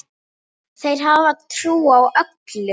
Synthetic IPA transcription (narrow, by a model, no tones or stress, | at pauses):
θejɾ̥ɦavaðt̪ʰɾuːawʔœklʏ